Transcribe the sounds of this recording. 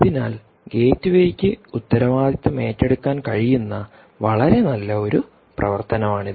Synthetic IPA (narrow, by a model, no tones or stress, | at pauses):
ðinaːl | ɡe̞ːtːuʋejikʲːɨut̪ːɐɾɐʋaːd̪it̪ːɐme̞ːtːe̞ɽukːaːnkɐɻijunːɐ | ʋɐɭɐɾe̞nɐlːɐo̞ɾu | prɐ̰ʋɐrt̪ɐnɐmaːɳiðɨ